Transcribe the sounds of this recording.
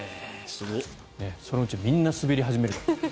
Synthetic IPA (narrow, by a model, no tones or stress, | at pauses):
sɨɡo | ne̞so̞noɯ̟t͡ɕimʲĩnːasɨbeɾʲiɦaʑimeɾɯt̪o